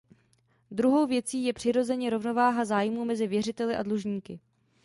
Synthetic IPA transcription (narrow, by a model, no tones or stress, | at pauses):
d̪ɾuɦo̞wvjɛt͡siːjɛpr̥ɪɾo̞zɛɲɛɾo̞vno̞vaːɦazaːjmuːmɛzɪvjɛr̝ɪt̪ɛlɪʔa̰dluʒɲiːkɪ